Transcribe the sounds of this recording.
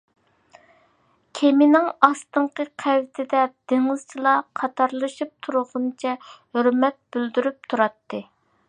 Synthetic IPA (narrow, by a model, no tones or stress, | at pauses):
kʲʰemɪnɪŋɑst̪ɨɴqəqʰæwt̪ʰɪd̪ɛd̪̥eŋɨz̥t͡ʃʰilˠɑqʰɑt̪ʰɑɾlˠɨʃup̚t̪ʰuɾʊʁʊnt͡ʃʰɛhøɾmɛt̪̚byld̪yɾyp̚t̪ʰuɾɑt̪ːɨ